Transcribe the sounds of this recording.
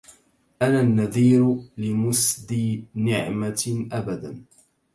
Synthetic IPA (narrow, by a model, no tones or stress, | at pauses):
ʔananːaðiːɾlɪmʊsd̪inɪʕmaʔabad̪an